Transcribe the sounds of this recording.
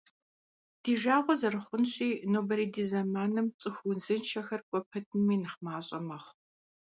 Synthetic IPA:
d̥iːʒaːʁʷɔzɐrɨχʷʊnɕʼiːnoːbɐɾiːdiːzɐmaːnɨmt͡sʼɨxʊnzɨnt͡ʃʰɐxɐrkʷʼɔpʰɐtʰɨmiːnɨχmaːɕʼɐmɐχʷ

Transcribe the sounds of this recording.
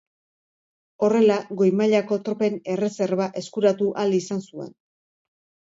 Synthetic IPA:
o̞re̞laɣo̞jmaʎako̞t̪ɾo̞pe̞ne̞re̞se̞ɾβaʔe̞skuɾat̪uʔalisansue̞̰n

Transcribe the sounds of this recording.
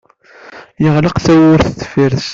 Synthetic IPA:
jəʁləqθæwʊɾθətːfiɾs

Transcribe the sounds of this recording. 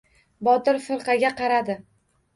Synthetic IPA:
bɒt̪ɪɾfɪɾqɑɡʲaqɑɾad̪ɪ

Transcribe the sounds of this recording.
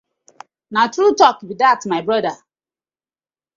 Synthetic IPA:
natɾutɔkbidatmaɪbɾɔda

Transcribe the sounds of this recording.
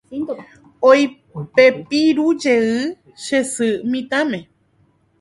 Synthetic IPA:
oj | pepiɾud͡ʒeɨ | ʃesɨmĩt̪ãmẽ

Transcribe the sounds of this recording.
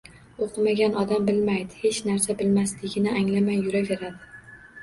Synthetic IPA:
oqʰɨmaɡʲanɒd̪ambɪlmajd̪ɪhe̞t͡ʃnaɾsabɪlmaslɪɡʲɪnɪʔaŋlamajːʊɾave̞ɾad̪ɪ

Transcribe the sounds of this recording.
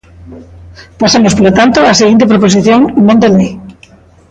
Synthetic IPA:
pasamospolot̪ant̪oaseɣint̪̬epɾoposiθjoŋeŋmõnt̪elej

